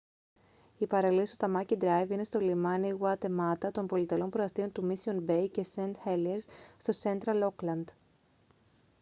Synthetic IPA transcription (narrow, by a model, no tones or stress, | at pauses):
ipɐɾɐlist̪ot̪ɐmɐcid̪ɾɐjvine̞st̪o̞limɐniɣwɐt̪e̞mɐt̪ɐt̪o̞mpo̞lit̪elo̞npɾoɐst̪io̞nt̪umisionbe̞jce̞sent̪xelieɾsːt̪o̞se̞nt̪ɾɐlo̞klɐnd̪̥